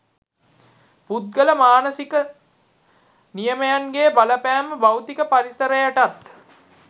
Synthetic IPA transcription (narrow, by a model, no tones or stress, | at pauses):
pud̪̚ɡələmaːnəsikə | nijəməjanɡeːbaləpæːməbawt̪ikəpaɾisəɾəjaʈat̪